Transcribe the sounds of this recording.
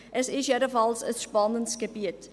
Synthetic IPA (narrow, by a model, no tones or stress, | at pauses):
ʔəsisjəɾəfɑlˠsəspɑnənskəbiət